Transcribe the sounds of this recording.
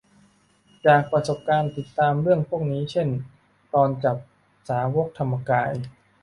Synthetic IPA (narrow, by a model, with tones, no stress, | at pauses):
t͡ɕaː˨˩k̚pɾa˧so˨˩p̚kaː˧nt̪i˨˩t̪ːaː˧mɾɯ˥˩əŋpʰu˥˩ək̚niː˦˥t͡ɕʰe˥˩n | t̪ɔː˧nt͡ɕa˨˩p̚ | saː˩˦woː˦˥k̚t̪ʰa˧mːa˧kaː˧j